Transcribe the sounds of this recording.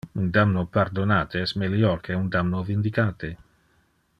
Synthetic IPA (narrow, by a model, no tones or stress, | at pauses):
und̪amnopaɾd̪onaːt̪esmeliɔɾkʰeund̪amnovind̪ikaːt̪e